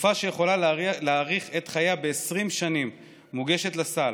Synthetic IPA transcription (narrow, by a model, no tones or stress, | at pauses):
faʃejeχo̞lalaːʁiχet̪χajabeːsʁimʃanimː | uɡe̞ʃe̞t̪lasal